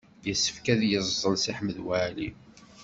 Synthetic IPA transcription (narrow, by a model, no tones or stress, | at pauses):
jəsːə̥fkæðjəzˤːəlsiħməðwæʕli